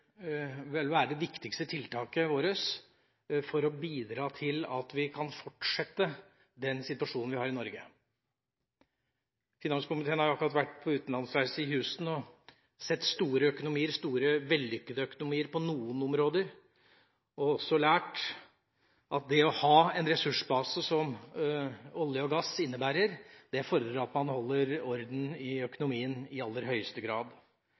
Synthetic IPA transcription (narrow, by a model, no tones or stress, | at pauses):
ʋɛlʋæːɾəd̪ɛʋɪkt̪ɪkst̪ət̪ʰɪlt̪ʰɑːkəʋoːɾəs | fɔɾɔbiːd̪ɾɑːt̪ʰɪlɑ̰t̪ʋɪkʰɑnfɔʈʂɛt̪ːə | d̪ɛnsɪt̪ʉɑʂuːnn̩ʋɪhɑːɾɪnɔɾɡə | fɪnɑnskʊmɪt̪ʰeːnhɑɾjʊɑkːɾɑt̪ʋæʈːpʰɔʉːt̪nlɑnsʋæɪsəɪhʉːsn̩ɔ | sɛt̪ːst̪uːɾəœkʊnʊmiːəɾst̪uːɾəʋɛlːʏkːəd̪əœkʊnʊmiːəɾpɔnuːənɔmɾoːd̪əɾ | ɔɔsːɔlæːʈ | ʔɑt̪̚d̪ɛɔhɑːɛnɾɛsʉʂbɑːsəsɔm | ɔljəɔɡɑsɪnːəbæːɾəɾd̪̥ɛfɔɾəd̪ɾɑt̪mɑnhɔlːəɾɔɾd̪n̩ɪœkʊnʊmiːənɪɑlːəɾɦœʏəst̪əɡɾɑːd̪